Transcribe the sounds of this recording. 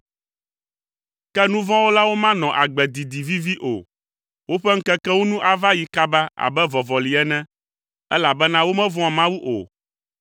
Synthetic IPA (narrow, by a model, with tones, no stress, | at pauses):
kɛ˦nũ˦vɔ̃˦wo˦la˦wo˦mã˦nɔ̃˨ʔa˨ɡ͡bɛ˨d̪i˨d̪i˨vi˦vi˦ʔo̰˨ | wo˦ɸɛ˦ŋ̩˦kɛ˦kɛ˦wo˦nũ˦ʔa˨va˦ji˨ka˦ba˦a̰˨bɛ˦vɔ˨vɔ˨li˨ɛ˦nɛ̃˦ | ɛ˦la˨bɛ˦nã˦wo˦mɛ̃˦vɔ̃˦a˨mã˦wu˦ʔo̰˨